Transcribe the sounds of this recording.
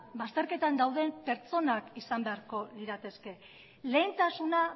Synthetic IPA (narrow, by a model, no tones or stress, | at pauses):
bast̪e̞ɾke̞t̪and̪awðe̞mpe̞ɾt͡so̞nakisambe̞aɾko̞ðiɾat̪e̞ske̞ | le̞ːnt̪asuna